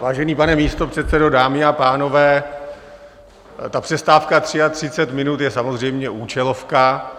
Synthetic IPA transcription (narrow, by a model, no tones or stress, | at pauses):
vaːʒɛniːpanɛmiːst̪o̞pr̝̥ɛt̪sɛdo̞daːmɪapaːno̞vɛː | t̪apr̝̥ɛst̪aːfkat̪r̥ɪat̪r̝̥ɪt͡sɛt̪mɪnut̪jɛsamo̞zr̝ɛjmɲɛʔuːt͡ʃɛlo̞fka